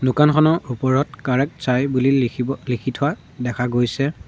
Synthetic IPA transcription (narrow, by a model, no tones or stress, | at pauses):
nukankʰɔnɔupɔɹɔtkaɹɛk̚sajbulilikʰitʰʊwa | dɛkʰaɡojsɛ